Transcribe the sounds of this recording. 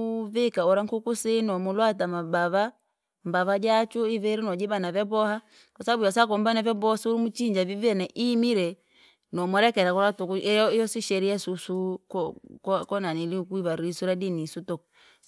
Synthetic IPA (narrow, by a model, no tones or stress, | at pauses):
vikaɔɾaŋ̩kukusinɔmulwatamabaβa | mbaβad͡ʒat͡ʃuiβɛɾinɔd͡ʒibanavɛbɔha | kasaabujasakɔmbanavɔbɔsɾumut͡ʃiɲd͡ʒavivjɛnɛʔimiɾɛ | nɔmɔɾɛkɛɾakɔɾatukuɛɔijɔsiʃɛɾiɛsusu | kkɔnaniliukuiβaɾisuɾadinisutɔk